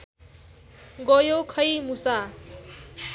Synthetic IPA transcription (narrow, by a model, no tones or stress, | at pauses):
ɡʌjokʰʌjmusa